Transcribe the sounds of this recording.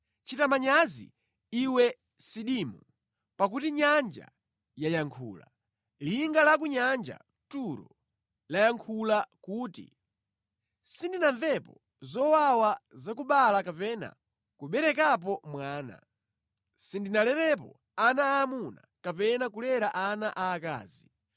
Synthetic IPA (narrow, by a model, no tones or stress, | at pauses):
t͡ʃitamaɲazḭ | iwɛ | siɗimu | pak̬utiɲand͡ʒa̰ | jajaŋkʰṵːla̰ | liŋɡalak̬uɲand͡ʒa̰ | tuɾɔ̰ | lajaŋkʰulakuːtḭ | sindinaɱvɛpɔ | zɔwawazakuɓalakapɛna̰ | kuɓɛɾɛkap̬ɔmwaːna̰ | sindinalɛɾɛp̬ɔ̰ | anaːmuna̰kapɛnakulɛɾaʔanaʔaːka̰ːzi